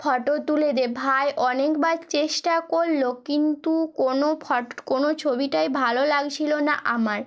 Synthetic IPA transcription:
fʰɔʈot̪uled̪ebʱaeʔɔnekbadt͡ɕeʃʈakoɾːokint̪ukonopʰɔkonot͡ɕʰobiʈajbʱalolaɡt͡ɕʰilona̰ʔamaɾ

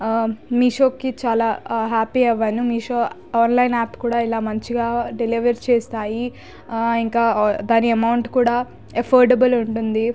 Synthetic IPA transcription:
miːʃoːkːit͡ʃaːlaːɦaːpiɐʋːɐnimiːʃoː | aːnlɐjnaːpkuːɽaːilaːmɐɲt͡ʃiɡaːɖeliʋɐɾt͡ʃeːst̪aːji | iŋkaːd̪aːniɐmɐwuɳʈkuːɽaː | ɐpʰoːɾɖɐbɐluɳʈund̪i

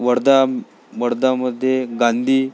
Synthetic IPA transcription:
ʋəɽd̪a | ʋəɽd̪aməd̪ʱːjeɡand̪ʱiː

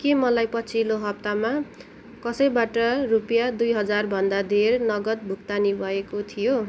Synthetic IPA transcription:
kemʌlajpʌt͡sʰiloɦʌp̚t̪ama | kʌsʌjbaʈʌrupjad̪ujɦʌd͡zarbʱʌnd̪ad̪ʱernʌɡʌt̪̚bʱuk̚t̪anibʱʌekot̪ʰijo

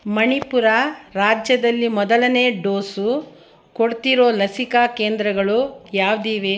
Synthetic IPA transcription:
mɐɳipuɾaɾaːd͡ʒjɐd̪ɐlːimɔd̪ɐlɐne̞ːɖoːsu | koɽt̪iɾoːlɐsikaːkeːnd̪ɾɐɡɐɭujaːʋd̪iːʋe

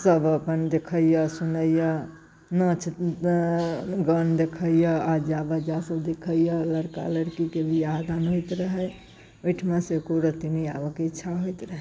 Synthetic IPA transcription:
səbəpənd̪ekʰəjjəsunəjə | nət͡ʃʰit̪ | ɡənd̪ekʰəjəad͡ʒabəd͡ʒasəbd̪ekʰəijələɾka̰ləɾkikebijad̪anɦojt̪ɾəɦə | ojʈʰmẽsekoɾət̪iniabəkitːʃʰaɦojt̪ɾəɦɛ

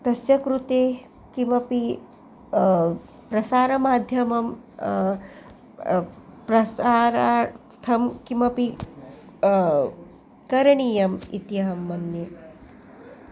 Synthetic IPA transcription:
t̪ɐsjɐkɾut̪eː | kimɐpi | pɾɐsaːɾɐmaːd̪ʱjɐmɐm | pɾɐsaːɾa | t̪ʰɐmkimɐpi | kɐɾɐɳijɐmḭt̪jɐɦɐmːɐnje

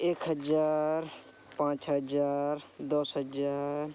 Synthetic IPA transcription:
eːkɦəd͡ʒaːɾ | pãːt͡ʃɦəd͡ʒaːɾd̪ɔsɦəd͡ʒaːɾ

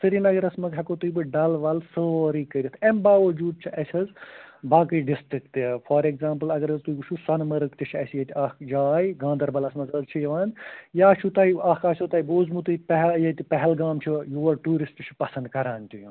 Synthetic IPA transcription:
sʰɨɾinɐɡɐɾɐsmɐzɦɐkot̪ujbɨɖɐlʋɐlsoːɾiːkɐɾʲit̪ʰɐmbaːʋɐd͡ʒuːd̪̚t͡ʃʰiʔɐsʲɐzbaːkɐjɖisʈɾikt̪ifʰɐːɾekzaːmpɨlɐɡɐɾɐzt̪ujɡut͡ʃʰusɐnmɐɾɨkt̪it͡ʃʰɐsjɐt̪ʰʲɐkʰd͡ʒaːjɡãːnd̪ɐɾbɐlɐsmɐzɐzt͡ʃʰijɐʋaːnjaːt͡ʃʰut̪ɐːiɐkʰɐːsʲoːt̪aːiboːzmut̪upɐɦjɐt̪ipɐɦɛlɡaːmt͡ʃʰijuːɐɾʈuːɾisʈt͡ʃʰu̥pɐsɐ̃nd̪kɐɾaːnʲt̪ʲujũ

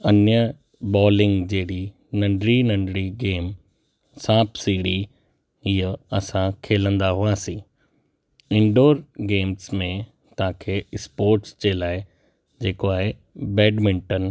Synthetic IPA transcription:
ɐnjə | bɔːlɪ̃ŋɡd͡ʑeːɽi | nɐ̃ɳɖɾinɐ̃ɳɖɽiɡeːm | sãːbsiːɽi | iːəɐsãkʰeːlə̃nd̪aɦuaːsĩː | ɪ̃ɳɖoːɾɡeːmsmẽ | t̪ɐãkʰeːɪspoːɾʈst͡ɕeːlaːɪ | d͡ʑeːkoaːɦe | bɛːɖmɪ̃ɳʈən

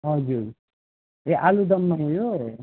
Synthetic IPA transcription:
ɦʌd͡zuɾ | eʔalud̪ʌmːaojoe

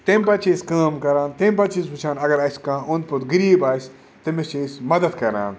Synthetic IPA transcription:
t̪emʲpɐt͡ʃʰiːskaːmkɐɾãːnt̪emʲp̬ɐt͡ʃʰisbut͡ʃʰãːnɐɡɐɾɐsʲkãːʊnd̪̚put̪ɡɨɾiːbaːsʲ | t̪ɐmet͡ʃisʲmɐd̪ɐd̪kɐɾã̰ːn

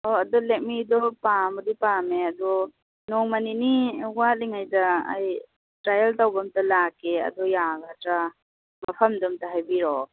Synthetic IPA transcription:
ɔɐdɔlek̚midɔpamɔdipameɐdɔ | nɔŋmaniniwat̚liŋajdɐ̰ːj | tɾajɐltawbamtalakʰeɐ̰dɔjaɡatɾa | mɐpʰɐmdɔmtaɦajbiɾɔ

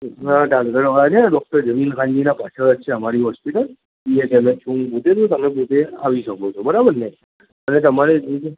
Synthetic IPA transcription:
aʈalkəɾad͡ʒeaɖɔk̚ʈəɾd͡ʒəminkãɲd͡ʒinapat͡ʃʰəəʃʰeəmaɾiɦɔspiʈəl | iekemẽt͡ʃũmput̪et̪ũt̪əmẽp̬ut̪ea̰ʋiʃəkot͡ʃʰobəɾabəɾnəĩ | ənet̪əmaɾed͡ʒũke

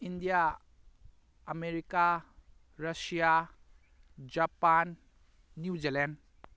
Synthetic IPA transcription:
indija | meɾika | ɾasija | d͡ʒapanː | jud͡ʒilɛn

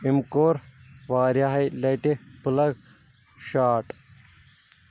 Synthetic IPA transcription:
imkoːɾʋaːɾjaɦɐjlɐjʈepulɐɡ | ʃaːʈ

